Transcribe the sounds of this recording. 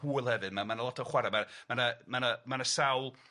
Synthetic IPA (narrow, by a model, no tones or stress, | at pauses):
huːɨlˠhɛvɨdmamanəlˠɔtʰɔχwɛɾamamanəmanəmanəsawlˠ